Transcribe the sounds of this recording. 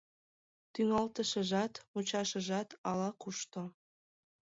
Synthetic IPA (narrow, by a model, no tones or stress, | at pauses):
t̪yŋɑlt̪əʃəʒɑt̪mut͡ɕɑʃəʒɑt̪ɑlɑkuʃt̪o